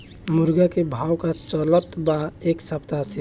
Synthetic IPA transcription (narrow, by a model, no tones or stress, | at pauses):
muɾɡakebʱawkat͡ʃələt̪baeksəpt̪asʰi